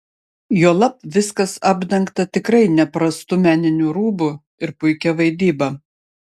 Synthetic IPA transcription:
juɔlˠɐpʋʲɪskɐsɑːbʲd̪ʲɐŋkt̪ɐt̪ʲɪkɾɐɪnʲɛpɾɐst̪ʊmʲæːnʲɪnʲuːɾuːbʊ | ɪɾpʊɪkʲɛʋɐɪd̪ʲiːbɐ

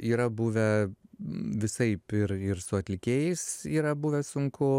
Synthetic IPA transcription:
iːɾɐbuːʋʲɛ | ʋʲɪsɐɪpɪɾɪɾsʊɐt̪ʲlʲɪkʲeːjɛɪsiːɾɐbuːʋʲɛsʊŋkʊ

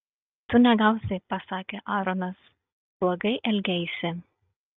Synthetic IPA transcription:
t̪ʊnʲɛɡɐˑʊsʲɛpɐsɑːkʲeʔɑːɾɔnɐs | blˠɐɡɐɪʔɛlʲɡʲɛjsʲɪ

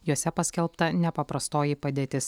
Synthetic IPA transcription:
juɔsʲɛpɐsʲkʲɛlˠpt̪ɐnʲɛpɐpɾɐst̪oːjipɐd̪ʲeːt̪ʲɪs

